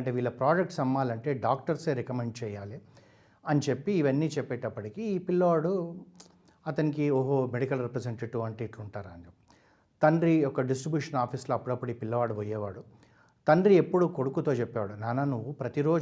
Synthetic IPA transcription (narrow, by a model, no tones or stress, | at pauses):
ɳʈeːʋiːɭːɐpɾaːd͡ʒek̚ʈsɐmːaːlɐɳʈe̞ːɖaːk̚ʈɐɾse̞ːɾekɐmeɳɖ̚t͡ʃɛːjaːli | ɐnit͡ʃe̞pːiːʋɐnːiːt͡ʃɛpːɛːʈɐpːɐʈikiːpilːɐʋaːɽu | ɐt̪ɐnikioːɦomeɽikɐlɾepɾɐseɳʈeʈiʋɐɳʈeʈuɳʈaːɾaːni | t̪ɐnɖɾiɔkɐɖisʈɾibjuːʂɐnaːpʰiːsloːɐpːuɽɐpːuɽiːpilːɐʋaːɽuʋɔjɛːʋaːɽu | t̪ɐnɖɾie̞pːuɽukoɽukut̪o̞ːt͡ʃɛpːɛʋaːɽunaːnanuʋːupɾɐt̪iɾo̞ː